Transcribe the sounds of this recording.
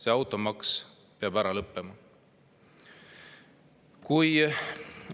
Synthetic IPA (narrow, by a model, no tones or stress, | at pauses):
se̞ɑwt̪ːˑo̞mɑks | peɑb̥æɾɑlɤpːemɑ | kuj